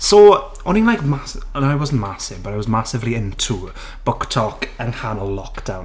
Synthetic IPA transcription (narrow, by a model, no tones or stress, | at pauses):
so | ɔninlajkmasnoaɪwɔzn̩ʔmasɪvbəɾaɪwɔzmasɪvliɪ̃ntʰu | b̥ʊktʰɔkə̃nhanəllɔkd̥ãwn